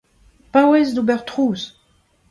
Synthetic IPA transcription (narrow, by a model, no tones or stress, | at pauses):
pawezd̪ubɛʁt̪ʁuːz